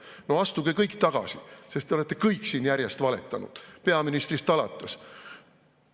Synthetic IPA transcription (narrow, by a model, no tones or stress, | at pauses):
no̞ɑst̪uɡ̥ikɤjkt̪ɑɡ̥ɑ̰sise̞st̪ːeoet̪ːˑekɤjkːˑsiːnjæɾʲjest̪vɑle̞̰t̪ːˑɑnṵd̪̥pe̞ɑminist̪rist̪ɑlɑt̪ːˑes